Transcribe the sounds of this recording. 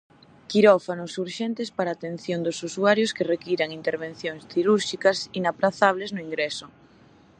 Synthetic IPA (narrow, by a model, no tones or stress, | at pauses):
kiɾɔfanʊsuɾʃɛnt̪espaɾaːt̪en̟θjond̪ʊsusuaɾjoskerekiɾaŋint̪eɾβ̞ẽn̟θjoŋsθiɾuɾʃikasinapɾaθaβ̞leznʊiŋɡɾesʊ